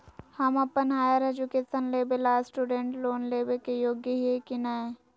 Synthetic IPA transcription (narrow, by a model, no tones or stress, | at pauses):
hɐmɐpːənɦaːjaɾed͡ʒukeːsənleːbelaːsʈuːɖẽːɳʈloːnleːbekejoːɡjəɦiɦekinaẽ